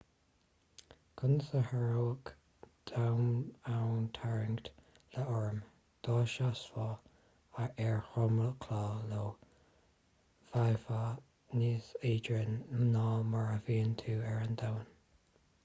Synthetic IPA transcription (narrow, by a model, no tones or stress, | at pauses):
kʰʊnsəhaɹowək | d̪̥awnawnt̪ʰaɹɪŋɡt̪ | ləɔɹəm | d̪̥ɑːʃaswɔː | aɹʔɛɹxɔmələkʰlɑːlo | v̥ajfa | niːseːdɹənnɑːmaɹəviːənt̪ʰuːɛɹənd̪awn